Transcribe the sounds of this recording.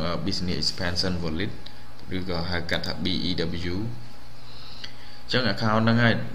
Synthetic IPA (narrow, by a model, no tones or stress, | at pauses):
ŋʔəːɓisniəʔikspʰɛnsənʋɔlit̪̚ | rɨːkɑːɦaəkat̪ʰːaːɓiːʔiːɗablijuː | t͡ɕəŋʔakʰaɔnːɨŋhaəj